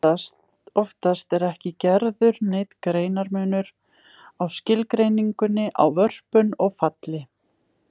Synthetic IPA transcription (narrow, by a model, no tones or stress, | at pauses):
t | ɔft̪ast̪ɛɾɛhcɪcɛɾðʏɾnɪt̪kɾeːjnaɾmœːnʏɾ | awscɪlkɾejniŋkʏnːɪʔa̰wvœr̥pʏnɔɣfat̪lɪ